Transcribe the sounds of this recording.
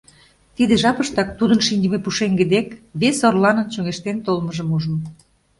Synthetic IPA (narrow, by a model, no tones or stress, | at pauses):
t̪id̪eʒɑpə̆ʃt̪ɑk̚t̪ud̪ənʃinʲd̪ʲə̆mepuʃeŋɡə̆d̪ekβesorlɑnə̆nt͡ɕøŋeʃt̪ent̪olməʒə̆muʒə̆m